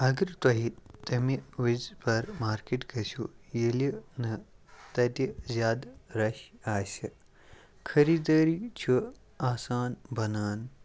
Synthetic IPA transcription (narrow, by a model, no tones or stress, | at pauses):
ɐɡɨɾt̪ɐɦit̪ɐmiʋizpɐɾmaːɾkiʈɡɐsʲujelinɨt̪ɐt̪izʲjaːd̪ɾɐɕaːsʲi | kʰɐɾid̪ɐːɾit͡ʃʰu | aːsaːnbɐnaːn